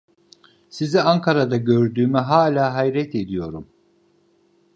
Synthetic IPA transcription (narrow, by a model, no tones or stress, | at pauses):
siziaŋkʰaɾad̪aɟøɾd̪yːmɛɦaːlʲaːɦajɾɛt̪ʰe̞d̪ijo̞ɾum